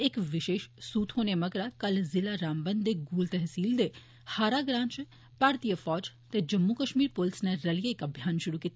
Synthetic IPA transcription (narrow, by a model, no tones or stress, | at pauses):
ekʋɪʃeːʃsuːt̪ʰɦoːnemɐɡɾakɐlzɪlaɾaːmbə̃nd̪d̪eɡuːlt̪ɛɦsiːld̪e | haːɾaɡɾãːnt͡ʃ | paːɾt̪ijəfɔːd͡ʒt̪ed͡ʒɐmːukəʃmiːɾpʊlɪsneɾɐljeekɐbʱjaːnʃʊɾukiːt̪